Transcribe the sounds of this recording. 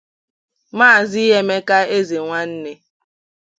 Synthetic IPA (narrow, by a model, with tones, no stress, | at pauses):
maː˦˨zi˦ɦe˦me˦ka˦e˦ze˨ŋʷa˦n̩˦ne˦